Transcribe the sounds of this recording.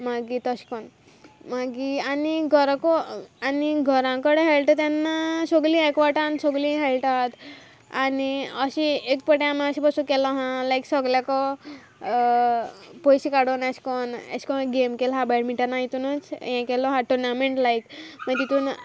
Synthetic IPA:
maɡit̪əɕkɔn | maɡianiɡʱɔɾkɔaniɡʱəɾãkəɽeɦelʈət̪janːasoɡlĩekʋaʈansoɡlĩɦelʈat̪ | aniəɕiekpəʈẽamĩəɕipəsukelɔɦãlajksɔɡljakɔ | pojɕikaɽonaɕkɔna̰ɕkɔ̃ɡemkelɦabaɽmiʈəɾnaɦit̪unət͡sjɛ̃kelɔɦaʈuɾnameɳʈlajkmat̪it̪uːn

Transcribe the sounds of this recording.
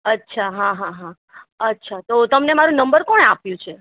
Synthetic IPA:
ətːʃʰaɦãɦãɦã | ətːʃʰat̪ot̪əmnemaɾũnəmbəɾkɔ̃ɳapjũt͡ʃʰe

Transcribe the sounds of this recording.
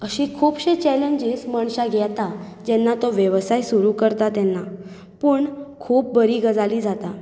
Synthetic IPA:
əɕikʰuːpɕet͡ɕɛleɲd͡ʑisməɳɕaɡʱɛt̪a | d͡ʑɛnːat̪ɔʋjəʋsajsuɾukəɾt̪at̪ɛnːa | pəːɳkʰuːp̚bəɾiːɡəd͡zaliːd͡zat̪a

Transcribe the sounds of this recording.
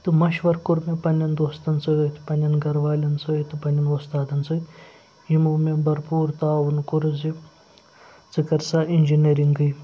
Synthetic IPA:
t̪ɨmɐʃʋɐɾkuɾmepɐnʲɐnd̪oːst̪ɐnt͡sɐɡɐt̪ʰʲpɐnʲɐnɡɐɾʋaːlʲɐnt͡sʰɐt̪ɨpɐnʲɐnost̪aːd̪ɐnt͡sɐt̪ʲ | ɦimumebɐɾpuːɾt̪aːʋunkuɾɨzi | t͡sɨkɐɾsaːinʲd͡ʒineɾiŋɡɨj

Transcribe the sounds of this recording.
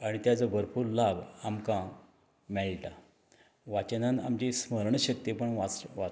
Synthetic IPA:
aɽ̃it̪jat͡səbəɾpuːɾlabamkã | mɛɭʈa | ʋat͡ɕənãna̰mt͡ɕesməɾɳəɕək̚t̪jepəɳʋaʋa

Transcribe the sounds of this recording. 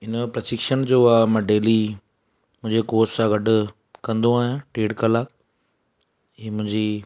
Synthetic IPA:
ɪnpɾɐsɪkʃənd͡ʑoːaːmɐ̃ɖeːli | mʊ̃ɪ̃ɲd͡ʑekoːssãɡɐɖʱʊ̆ | kɐ̃nd̪oaːɦɪʈeːɖkəlaːk | ĩːmʊ̃ɦɪ̃ɲd͡ʑi

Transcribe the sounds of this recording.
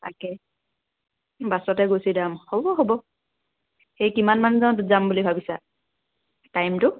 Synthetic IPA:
takɛ | basɔtɛɡosidamhɔbɔɦobɔ | xejkimanmanuzãntʊzambulibʱabisa | tajmtʊ

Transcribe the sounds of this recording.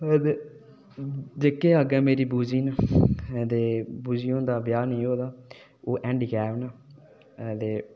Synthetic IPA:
d̪eː | d͡ʒeːkːeːaɡɛ̃ːmeːɾiːbuːd͡ʒiːna | d̪eːbuːd͡ʒiːõːd̪aːbjaːnĩːɦoːd̪aː | oːʔɛ̃ːɳɖiːɡɛːʋnaː | t̪eː

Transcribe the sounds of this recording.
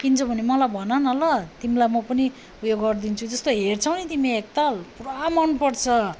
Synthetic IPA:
kint͡sʰʌbʱʌnemʌlajbʱʌnʌnʌlʌt̪imilajmʌpʌni | ujoɡɡʌrd̪int͡sʰud͡zʌst̪oɦert͡sʰʌwnit̪imiek̚t̪alpramʌnpʌrt͡sʰʌ

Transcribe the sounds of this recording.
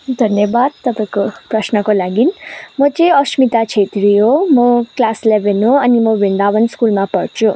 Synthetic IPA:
d̪ʱʌnjʌbad̪t̪ʌpãkoprʌsnʌkolaɡinmʌt͡sʌĩʌsmit̪at͡sʰet̪ɾiɦomʌklaslebʱenɦoʌnimʌbind̪abʌnskulmapʌɾt͡sʰu

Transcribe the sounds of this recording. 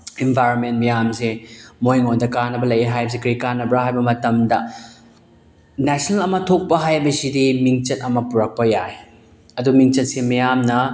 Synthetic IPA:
enbʱajɾonment̚mɐjamsemojŋondɐkanːɐbɐlɐjeɦajbɐs̬ekɐɾikanːɐbɾaɦajbɐmɐtɐmdɐ | nɛsʰnɐlɐmɐtʰok̚pɐɦajbɐsidimiŋt͡ʃɐt̚ɐmɐpuɾɐk̚pɐjaj | ɐdumiŋt͡ʃɐt̚semɐjamnɐ

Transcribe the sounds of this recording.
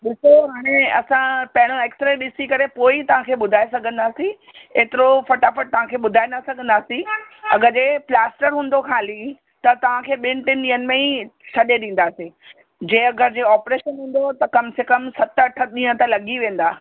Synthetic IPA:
ɗɪsoɦaːɽ̃eɐsãpɐ̃ɦɪɽ̃oeːksʈɾeɗɪsikɐɾepoːit̪ɐʋ̤ãkʰeːɓʊd̪ʱaːesɐɡʱə̃nd̪aːsĩ | eːt̪ɪɾofɐʈafəʈ̚t̪ɐʋ̤ãkʰeːɓʊd̪ʱaːend̪asɐɡʱə̃n̆d̪aːsĩɐ̰ɡəd͡ʑeːplaːsʈəɾɦũːnd̪okʰaːli | t̪ɐt̪ɐʋ̤ãkʰeːɓɪ̃nʈɪnɗĩːənɪ̆mẽĩsʰɐɗeɗĩːn̆d̪aːsĩ | d͡ʑẽːɐɡəɾd͡ʑeːɔːpɾeːʃənɦũːn̆d̪ot̪ɐkɐmsekəmsɐt̪ɐʈʰəɗĩːɦə̃t̪ɐlɐɠiʋẽːn̆d̪aː

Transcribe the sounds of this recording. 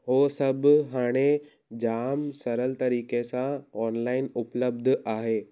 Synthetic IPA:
ɦoːsɐbɦaːɽ̃e | d͡ʑaːmsɐɾəlt̪ɐɾiːkesãɔːnlaːɪnʊpləb̚d̪ʱʊʔaːɦeː

